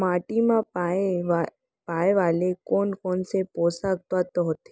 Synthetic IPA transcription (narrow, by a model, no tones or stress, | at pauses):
maːʈimãpae | paːeʋaːlekoːnkoːnsepoːsaɡ̚t̪at̪ɔɦot̪e̥